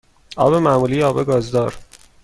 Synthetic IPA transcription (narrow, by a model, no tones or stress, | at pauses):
ʔɒ̰ːbe̞mæmuːlijeɒːbe̞ɡɒːzd̪ɒːɾ